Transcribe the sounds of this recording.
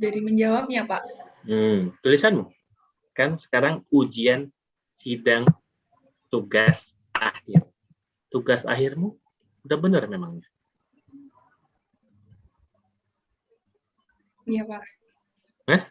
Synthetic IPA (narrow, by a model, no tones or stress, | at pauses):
daɾiməɲd͡ʒawap̚ɲapaʔm̩t̪ulisanmu | kansə̥kaɾaŋud͡ʒian | sidaŋ | t̪uɡas | ʔahɪr | t̪uɡasa̰ɦɪrmu | udahbənərmemaŋɲa | japa | həh